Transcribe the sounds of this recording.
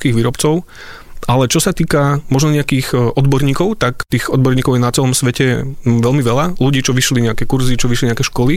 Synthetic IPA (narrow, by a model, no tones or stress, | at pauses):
kiːɣʋiːɾɔpt͡sɔʊ | ʔalɛt͡ʃɔsat̪iːkamɔʒnɔɲɛakiːxʔɔd̪bɔɾɲiːkɔʊt̪akt̪iːɣɔd̪bɔɾɲiːkɔʊjɛnat͡sɛlɔmsʋɛcɛʋɛlmiʋɛlaluɟiːt͡ʃɔʋiʃliɲɛakɛkuɾzit͡ʃɔʋiʃliɲɪɛakɛʃkɔli